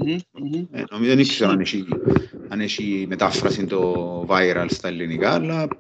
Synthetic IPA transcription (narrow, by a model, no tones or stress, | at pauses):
ɛ̰nomisonikːi̥sonanet͡ʃianet͡ʃimet̪afɾasint̪ovajɾalst̪alːinikalːa